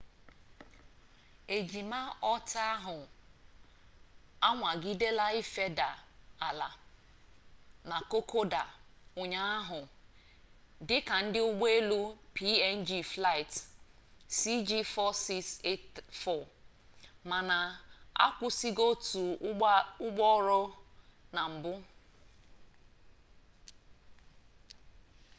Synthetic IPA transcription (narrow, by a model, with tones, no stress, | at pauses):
e˨d͡ʒi˨ma˦ɔ˦ta˦a˦ɦʊ˨ | a˦ŋʷa˨ɡi˦de˦la˦ɪ˦fe˦da˨a˨la˨ | na˨ko˦kʰo˦da˨ʊ˨ɲa˨a˦ɦʊ˨ | dɪ˦ka˨n̩˦dɪ˦ʊ˦ɡ͡be˦lu˦pi˦ɛ˦n̩˦d͡ʒi˦fla˦ɪ˨t | si˦d͡ʒi˦fɔ˦si˦kse˦tfɔ˦˨ | ma˨na˨a̰˦kʷʊ˦si˦ɡo˦tu˨ | ʊ˦ɡ͡bɔ˦ɾɔ˦na˨m̩˨bʊ˦